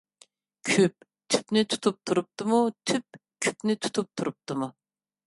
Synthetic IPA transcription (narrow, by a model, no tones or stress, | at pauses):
kʲʰyp̚ | t̪ʰy̥pnɪt̪ʰu̥t̪ʰup̚t̪ʰuɾup̚t̪ɨmut̪ʰyp̚kʲʰy̥pnɪt̪ʰu̥t̪ʰup̚t̪ʰuɾup̚t̪ɨmu